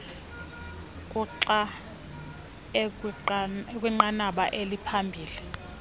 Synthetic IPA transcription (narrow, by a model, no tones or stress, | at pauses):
kʼuǁa | ek | k̬ʼwiŋ͡ǃanaɓaʔelipʰambʱiːli